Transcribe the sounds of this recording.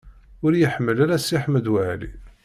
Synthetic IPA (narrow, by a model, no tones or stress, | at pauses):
ʊɾjəħəmːəlaɾæsiħəməd̪wəʕlḭ